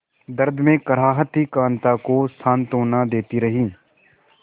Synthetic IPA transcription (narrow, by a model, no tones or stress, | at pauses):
d̪ɐɾd̪ʱmẽkɐɾ̤aːɦət̪ikãːnt̪akosʰãːnt̪oːnad̪eːt̪iɾɐɦiː